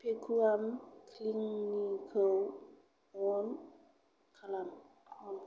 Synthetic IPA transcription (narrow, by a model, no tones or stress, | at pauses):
pekʰuamkʰliŋːikʰəw | wɔn | kʰalam | wɔn